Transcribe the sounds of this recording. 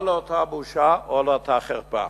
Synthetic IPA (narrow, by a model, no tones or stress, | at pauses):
lot̪ʰabuʃaolot̪ʰaχɛɾpa̰